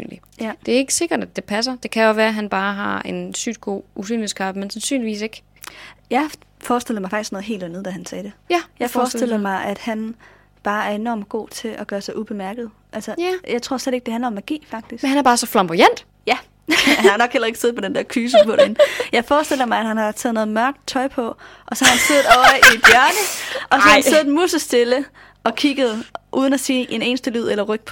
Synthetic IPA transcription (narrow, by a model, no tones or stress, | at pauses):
y̰nli | d̥e̝æɐe̝ɡ̥ə̥se̝ɡ̥ɐd̥æd̥e̝pʰæs̬ɐd̥e̝kʰæjɒʋæːɐæɦænb̥ɑ̈ːɦɑ̈e̝nsy̰d̥̚ɡ̥o̝̰ːus̬y̰ːniskʰɑ̈b̥əmensænsy̰ːnliʋḭːs̬e̝ɡ̥ | jɑ̈ɪfɒːsd̥el̰̩ˠmɑɪfɑ̈ɡ̥isɡ̥nɔ̽ːð̩ˠɦe̝ːld̥ænð̞̩ˠd̥æɦænsɛːd̥ejæjɑɪfɒːsdel̰ɐmɑ̈ɪʔæd̥hæn | b̥ɑ̈ːæɐe̝nɒ̰ːmɡ̥o̝̰ːt͡sʰe̝ʔɒɡ̥ɶːɐsɑ̈ɪʔub̥e̝mæɐɡ̥ð̩ˠʔælsɐjɑ̈ɪt͡sʰʁo̝ɐ̰sleɾ̥eɡ̥̚d̥ehændlɐɒ̽mæɡ̥ḭːfɑ̈ɡ̥̚d̥isɡenhænæɐbɑːsɒflɑ̈mb̥ujæn̰d̥ | jæ | ænnɒ̽ɡ̥helɐe̝ɡ̥se̝ð̩ˠmɒ̽d̥end̥æɐ̰kʰyːs̬əpʰɒ̽d̥enjɑ̈ɪfɒːsd̥e̝l̰ɐmɑ̈ɪæd̥hænhɑ̈t͡sʰɛːðˠnɔ̽ːð̩ˠmɶɐɡ̥d̥̚t͡sʰɒ̽ɪpʰɒ̽ | ʔɒ̽sɒ̽hɑhænseð̩ˠɒʊʔid̥jœɐnəɒ̽sɒhɑhæænseð̩ˠmusəsd̥e̝lə | ʔɒ̽kʰiɡ̥əð̩ˠʔuːð̞ˠən̩æsiːʔene̝ːnəsd̥əlyð̞̰ˠelɐʁœɡ̥̚pʰ